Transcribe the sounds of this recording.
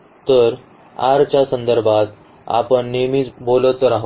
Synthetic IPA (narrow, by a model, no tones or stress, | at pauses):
t̪əɾ | a̰ɾt͡ɕjasənd̪əɾbʱat̪ | a̰pəɳːemiːt͡sbolət̪ɾaɦ